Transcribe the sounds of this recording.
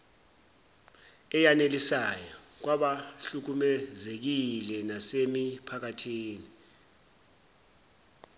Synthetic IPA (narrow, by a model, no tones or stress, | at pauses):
ɛjanelisajɔk̬waɓaɬuk̬umɛzek̬ilɛnasemipʰak̬atʰiːni